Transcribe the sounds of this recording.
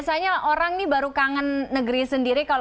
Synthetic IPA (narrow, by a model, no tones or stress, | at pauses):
saɲaʔoɾaŋnibaɾukaŋənːəɡəɾisəndiɾikal